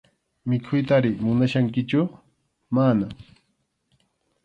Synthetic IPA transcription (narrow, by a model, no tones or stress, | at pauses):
mɪkʰʊjt̪aɾɪmʊnaʃaŋkɪt͡ʃʊ | mana